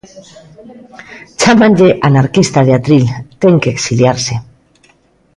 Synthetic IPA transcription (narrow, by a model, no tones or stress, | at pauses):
t͡ʃamãnʎeʔanaɾkist̪aðeat̪ɾilt̪eŋkeːksiljaɾse